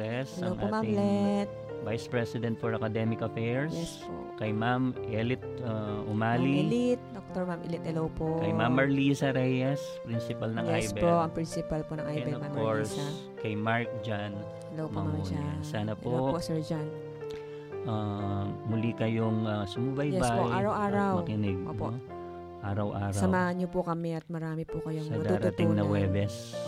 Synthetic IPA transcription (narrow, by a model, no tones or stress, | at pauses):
ɛsɛlɐowŋʔapoːmamlɛt̪̚ | vajspɹɛsɪd̪ɛnt̪̚fɔɹɐkɐd̪ɛmɪkɐfɛɹjɛpo̰kɐjmamʔɛlɪt̪̚aʊmaːliɪlɪt̪̚d̪ok̚t̪oɹmamʔɪlɪt̪hɛlowpoʔkɐjmamːɐɹliːsɐɾɛjɛs | pɾinsɪpɐlnɐŋjʔaɛjbpoʔɐŋpɾɪnsɪpɐlponɐŋʔajɛbɛomɐmfkoɹsa | kɐjmaɹk̚d͡ʒan | hɛlowmpoɐmamd͡ʒasaːnɐpoopoʔsɛɹd͡ʒan | ʔamʊlikɐjoŋasʊmʊbajjɛbsapoʔaːɾɐwʔaːɾɐwmwkɪnɪɡ̚ʔoːpoʔ | ʔaːɾɐwʔaːɾsɐɐwmaːhɐnɲːopʊkɐmɛʔɐt̪̚mɐɾaːmɪpʊkɐjoŋsmɐŋɐd̪auːɾʊt̪iŋnɐwɛbɛs